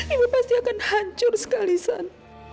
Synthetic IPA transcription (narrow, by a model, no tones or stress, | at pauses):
imipast̪iakanhaɲt͡ʃʊrsə̥kalisan